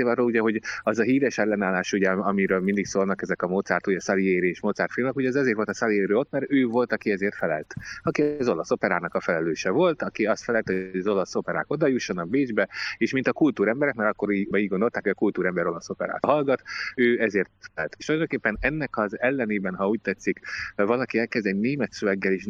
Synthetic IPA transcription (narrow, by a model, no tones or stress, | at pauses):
eːlɒrːoːluɟɛɦo̞ɟɒzɒɦiːɾɛʃɛlːɛnaːlːaːʃuɟɛɒmiɾøːlmind̪iksoːlnɒkɛzɛkɒmoːt̪saːrt̪uɟɛsɒlieːɾeeːʃmoːt̪saːrt̪filmnɛkuɟɛːzɒzeːrt̪vo̞lt̪ɒsɒlieːɾøːo̞t̪mɛɾøːvo̞lt̪ɒkiɛzeːrt̪fɛlɛ̰lt̪ɒkizo̞lɒso̞pɛɾaːnɒkɒfɛlɛløːʃɛvo̞lt̪ɒkiɒst̪fɛlɛlt̪hoɒzo̞lɒso̞pɛɾa̰ːko̞d̪ɒjuʃːo̞nɒbeːd͡ʒbɛeːʃmint̪ɒkult̪uːɾɛmbɛɾɛkmɛɾɒkːo̞ɾibiːɟɡond̪o̞lt̪aːkhojɒkult̪uːɾɛmbɛɾo̞lɒso̞pɛɾa̰ːɦɒlɡɒt̪øːɛzeːrt̪fɛɛlt̪eʃt̪ulˠɒjd̪oŋkeːpːɛnɛnːɛkɒzɛlːɛneːbɛnɦɒuːc̚t̪ɛt̪sːikvɒlɒkiɛlkɛzd̪ɛɟneːmɛt̪søvɛɡːɛleːʃ